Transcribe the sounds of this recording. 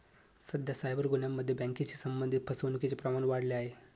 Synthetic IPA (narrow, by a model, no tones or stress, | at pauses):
səd̪ʱjasajbəɾɡunjamːəd̪ʱːjebɛ̃ŋket͡ɕisəmbənd̪ʱit̪̚pʰəsəwnuket͡ɕepɾəmaɳʋaɽleaɦe